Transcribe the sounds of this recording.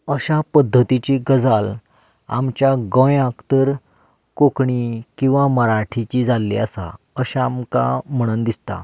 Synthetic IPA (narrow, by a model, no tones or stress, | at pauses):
əɕapəd̪ʱːət̪it͡ɕiɡəd͡zal | a̰mt͡ɕjaɡə̃jakt̪əɾ | kokɳikĩw̃ʋaməɾaʈʰit͡ɕid͡zalːḭasa̰ | əɕaamka̰m̤əɽ̃ənd̪ist̪a̰